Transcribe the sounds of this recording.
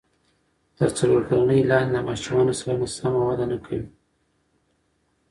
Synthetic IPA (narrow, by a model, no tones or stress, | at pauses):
t̪əɾt͡saloɾkaɾanəjlɑɾelamɑʃumɑnosaɾamasamawad̪anakʰawi